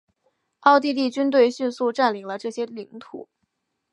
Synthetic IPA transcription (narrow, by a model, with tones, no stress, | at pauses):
ɑ˥˧ʊt̪i˥˧t̪i˥˩t͡ɕy˥nt̪̬we˥˧ɪɕy˥˧nsu˥˧ʈ͡ʂa˥˩nli˨˩ŋlə˦ʈ͡ʂɤ˥˩ɕjɛ˥li˧˥ŋt̪ʰṵ˨˩˦